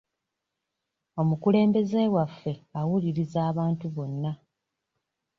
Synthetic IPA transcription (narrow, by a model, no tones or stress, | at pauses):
o̞mukule̞ːmbe̞ze̞wafːe̞awuliɾizaːβaːntuβo̞nːa